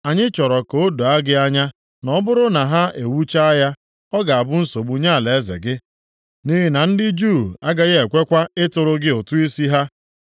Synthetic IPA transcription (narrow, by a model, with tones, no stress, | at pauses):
a˨ɲɪ˦t͡ʃɔ˨ɾɔ˨ko˦do˨a˦ɡɪ˦a˦ɲa˦ | nɔ˦bʊ˦ɾʊ˦na˨ɦa˦e˨wu˦t͡ʃa˦a˦ja˦ | ɔ˦ɡa˨a˨bʊ˦n̩˦so˨ɡ͡bu˨˦ɲa˦˨le˨e˦zɪ̰˨ɡɪ˦ | ni˦ɦɪ˦na˨n̩˦dɪ˦d͡ʒu˦˨a˦ɡa˦ɣe˨kʷe˦kʷa˦ɪ˦tʊ˨ɾʊ˦ɡɪ˦ʊ˨tu˦i˦si˦ɦa˦